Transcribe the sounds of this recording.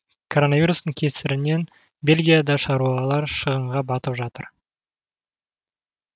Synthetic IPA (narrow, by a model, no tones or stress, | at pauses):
kʰo̞ɾo̞navʲijɾust̪əɴkʲʰe̞sɪɾɪne̞n | bʲe̞lʲɡʲijad̪ɑʃɑɾuɑlˠɑɾʃəʁəɴʁɑbɑt̪əpʒɑt̪əɾ